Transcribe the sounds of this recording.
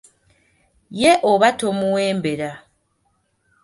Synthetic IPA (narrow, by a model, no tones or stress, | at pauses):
jeʔoβatomuweːmbeɾa